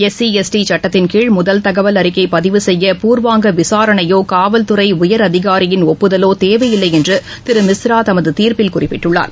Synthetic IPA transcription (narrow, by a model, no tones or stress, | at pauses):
ɛsiɛsʈit͡ʃɐʈːɐt̪ːɪnkiːɭmʊðɐlt̪ɐɣɐʋɐlɐɾɪkːɐɪpɐðɪʋɯsɛjːɐpuːrʋaːŋɡɐʋɪsaːɾɐɳɐjoːkaːʋɐlt̪ɯrɐɪʊjɐɾɐðɪɣaːɾɪjɪnɔpːɯðɐloːt̪eːʋɐjɪlːɐɪɛndrɯ | t̪ɪɾɯmɪsɾaːt̪ɐmɐðɯt̪iːɾpɪlkʊrɪpːɪʈːɯɭːa̰ːɾ